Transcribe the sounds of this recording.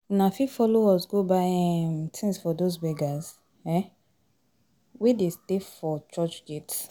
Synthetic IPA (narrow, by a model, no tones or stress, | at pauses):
nafifɔlowɔsɡobaɛmtʰĩnsfɔdozbɛɡaz | ɛ | wedestefɔt͡ʃɔt͡ʃɡet